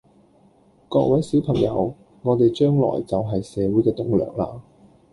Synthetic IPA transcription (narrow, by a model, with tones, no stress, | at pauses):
kɔː˧k̚wɐ˨˥jsi˨˥wpʰɐ˨˩ŋjɐ̰˨˧w | ŋɔː˨˧t̪e˨jt͡ʃœː˥ŋlɔ̰ː˨˩jt͡sɐ˨wɦɐ˨jsɛː˨˧wuː˨˥jkɛː˧t̪ʊ˨ŋlœ̰ː˨ŋ̚la̰ː˧